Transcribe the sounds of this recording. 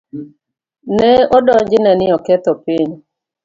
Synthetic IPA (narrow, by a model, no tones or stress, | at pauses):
nɛɔdɔɲd͡ʒɪnɛnɪɔkɛt̪ɔpɪɲ